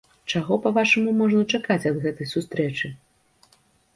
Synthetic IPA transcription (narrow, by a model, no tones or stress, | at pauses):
t͡ʂaɣɔpɐvaʂɐmumɔʐnɐt͡ʂakat͡sʲɐd̪ɣɛt̪ɐjsust̪ɾɛt͡ʂɨ